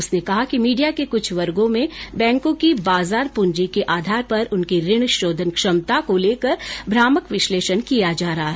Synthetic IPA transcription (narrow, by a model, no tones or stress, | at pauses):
ʊsnekɐɦakimiːɖijakekʊt͡ʃʰʋɐɾɡõmẽbɛ̃ːŋkõkibaːzaːɾpʊ̃ɲd͡ʒikeʔaːd̪ʱaːɾpɐɾʊnkiɾɪɽ̃ʃoːd̪ʱənkʃɐmt̪akoleːkəɾbʱɾaːməkʋɪʃleːʃənkijad͡ʒaːɾɐɦaɦ